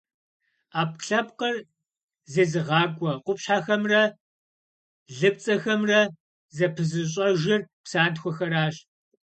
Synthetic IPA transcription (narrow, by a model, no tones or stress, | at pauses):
aːp̚ɬɐpqər | zɐzɨʁɑːɡʷʼɔqʷʊpɕħaːxɐmrɐ | ɮɨp̚t͡sʼɐxɐmrɐ | zɐpʰɨzɨɕ̬ʼɐʒɪrpsaːntxʷɔxɐɾaːɕ